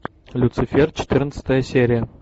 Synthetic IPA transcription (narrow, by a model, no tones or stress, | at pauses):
lʲut̪sɨfʲert̪̚t͡ɕɪ̥t̪ʲɨrənt̪sə̥t̪əjəsʲeɾʲɪjə